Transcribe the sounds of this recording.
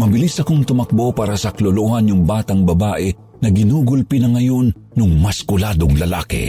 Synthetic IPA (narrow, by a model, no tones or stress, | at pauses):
mɐbɪlisɐkoŋt̪ʊmɐk̚bo̞paːɾɐsɐkloloʔhanjʊŋbaːt̪ɐŋbɐbaːʔɛ | nɐɡɪnuːɡʊlpinɐŋɐjo̞nːʊŋmɐskʊlaːd̪oŋlɐla̰ːkɛ̰